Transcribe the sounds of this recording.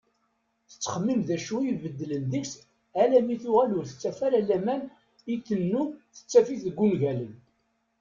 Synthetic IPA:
θə̥t͡sːə̥χəmːimðæʃujəvəd̪ːlənðəks | ælæmiθʊʁælʊɾθə̥t͡sːæfæɾælæmæn | it̪ːənːuθə̥t͡sːæfiθəɡːunʝælən

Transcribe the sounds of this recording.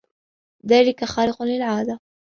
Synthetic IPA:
ðaːlɪkaxaːɾɪqʊlɪlʕaːd̪a

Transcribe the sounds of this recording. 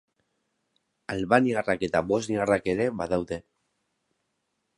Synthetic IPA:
alβaniarake̞t̪aβo̞zniarake̞ɾe̞βaðawðe̞

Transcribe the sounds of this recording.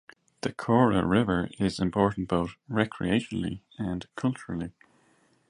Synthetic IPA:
ðəkʰɔɹə̰ɹɪvə˞ɪzɪ̃mpʰɔɹʔn̩tb̥oʊtɹɛkʰɹḭeɪʃənlˠḭ | ə̃nkʰʌlˠt͡ʃəɹəl̩ˠi

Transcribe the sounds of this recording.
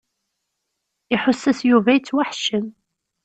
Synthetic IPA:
iħʊsːæsjuvæjt͡sːwaħʃəm

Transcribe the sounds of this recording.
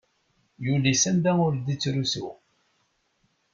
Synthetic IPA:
julisænd̪æŋʊld̪it͡sːɾusṵ

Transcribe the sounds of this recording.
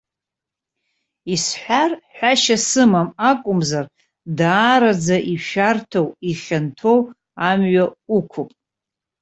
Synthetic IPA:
isħʷᶣarħʷᶣaʃasɨmamakʷʼʊmzar | daːɾad͡zaʔiʃᶣartʰowiχʲantʰow | amɥaukʷʰʊpʼ

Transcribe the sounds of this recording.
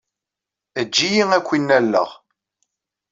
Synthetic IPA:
əd͡ʒːijiŋækʷːinːælːə̰ʁ

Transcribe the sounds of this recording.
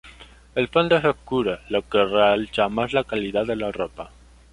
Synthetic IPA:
elfond̪esokuɾalokerealt͡ʃamazlakaliðaðelaropa

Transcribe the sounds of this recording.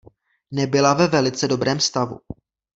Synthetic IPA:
nɛbɪlavɛvɛlɪt͡sɛdo̞bɾɛːmst̪avṵ

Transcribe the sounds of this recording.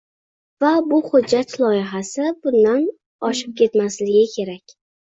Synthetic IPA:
vabʊhʊd͡ʒːat̪lˠɒjɪɦasɪbʊnd̪an | ɒʃɪ̥p̚kʲʰe̞t̪maslɪɡʲɪkʲʰe̞ɾakʲ

